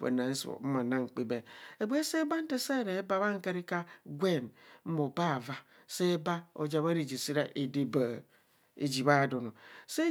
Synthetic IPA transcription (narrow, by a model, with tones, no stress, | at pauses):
ḛ˨na˨e˦so̰˨˦ma˨na˦ŋ̩˨k͡pi˦be˨e˨ɡ͡be˦se˦ba˦n̩˦te˦se˦˨ɾe˨e˦ba˦βa˦ŋ̩˦ke˦ɾi˦ka˦ɡʷe˦˨nm̩˦mo˨ba˦˨va˦ | se˦ba˦o̰˨d͡ʒa˨βa˦ɾi˨d͡ʒi˨si˦ɾa˨ʔe˨de˦ba˨ | ḛ˨d͡ʒi˨βa˦˨do˨no˨se˦